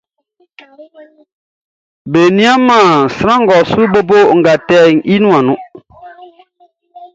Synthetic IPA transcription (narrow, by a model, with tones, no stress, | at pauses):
beː˨nĩ˦a˦mːaː˨sɨ˨ɾa˦ŋ̩˦ɡɔ˨su˦bo˦bo˦˨ŋ̩˨ɡa˨tɛ˦˨ŋʔi˦nũ˦a˨nʊ˦